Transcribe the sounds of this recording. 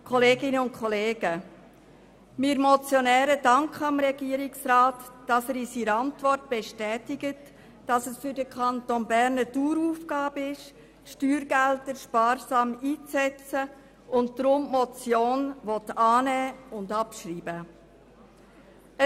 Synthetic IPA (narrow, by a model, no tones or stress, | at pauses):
kʰɔleːɡɪnəʊn̚kʰχɔleːɡə | miːɾmɔt͡sjɔnɛːɾədɑŋkχəɑmɾɛɡiːəɾɪksɾaːtd̥ɑsɛɾisiɾɑntʋɔrt̚b̥ɛʃtɛːtɪɡət | d̥ɑsəsfʏɾdəkʰχɑntonbæɾnəduːɾuːfɡ̥ɑːbəɪʃ | ʃtyːɾɡæltəɾʃpɑːɾsɑːmiːt͡sɛt͡sə | ʊnt̚d̥ɾʊmmɔt͡sjoːnʋɔtɑːnɛːʊndɑpʃɾiːbə | ə